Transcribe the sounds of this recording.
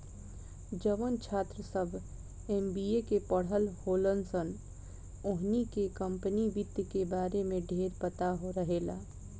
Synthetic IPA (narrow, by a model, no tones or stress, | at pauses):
d͡ʒəʋənt͡ʃʰaːt̪ɾəsəbʱ | eːmbiːekepəɽ̤əlhoːlənsən | oɦnikekə̃mpəniʋɪd̪jəkebaːɾemẽɖʱeːɾpət̪aɦoɾəɦela̰ː